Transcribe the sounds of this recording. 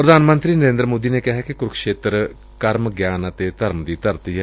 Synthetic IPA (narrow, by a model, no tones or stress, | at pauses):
pɾəd̪ʱaːnmə̃nt̪ɾiːnəɾẽːnd̪ɾmoːd̪iːneːkɪɦɛːkikʊɾkʰʃeːt̪ɾ | kəɾmɡjaːnət̪eːt̪əɾmd̪iːt̪əɾt̪iːɦɛ